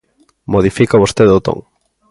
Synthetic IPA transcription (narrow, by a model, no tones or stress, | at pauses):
moðifikaβost̪eðot̪o̰ŋ